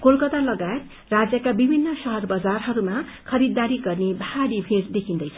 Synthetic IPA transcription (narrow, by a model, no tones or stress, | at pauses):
kolkʌt̪alʌɡaet̪ | rad͡zjʌkabibʱinːʌsʌɦʌrbʌd͡zarɦʌɾumakʰʌɾid̪ːaɾiɡʌrnebʱaaɽibʱĩɾd̪ekʰind̪ʌjt͡sʰʌ